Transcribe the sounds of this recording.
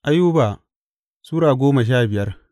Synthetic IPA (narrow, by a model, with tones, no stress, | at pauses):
ʔa˦juː˦ba˨ | suː˦ɽaː˨ɡʷoː˦ma˨ʃ̬aː˦˨bɪ˨jɐ˦r